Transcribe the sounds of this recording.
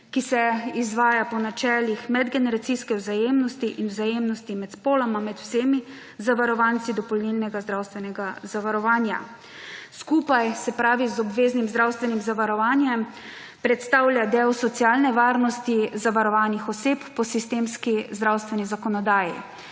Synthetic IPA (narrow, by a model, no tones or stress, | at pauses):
kisɛizʋaːjapɔnat͡ʃɛːlixmɛd̪ɡɛnɛɾat̪siskɛwzajeːmnɔst̪iʔinwzajeːmnɔst̪imɛt̪spoːlamamɛt̪w̥seːmi | zaʋaɾɔʋaːnt̪sid̪ɔpɔlnilnɛɡazd̪ɾawst̪ʋɛnɛɡazaʋaɾɔʋaːnja̰ | skuːpajsɛpɾaːʋizɔbʋeːznimzd̪ɾawst̪ʋɛnimzaʋaɾɔʋaːnjɛm | pɾɛt̪st̪awljad̪ɛwsɔt̪siaːlnɛʋaːɾnɔst̪izaʋaɾɔʋaːnixɔseːpːɔsist̪eːmskizd̪ɾawst̪ʋɛnizakɔnɔd̪aːjḭ